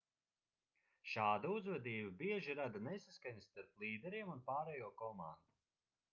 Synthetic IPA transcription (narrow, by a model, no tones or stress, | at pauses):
ʃaːd̪auzvɛd̪iːbabiɛʒiɾad̪anesaskaɲist̪aɾplˠiːd̪ɛɾiɛmunpaːɾɛjuɔkɔmand̪u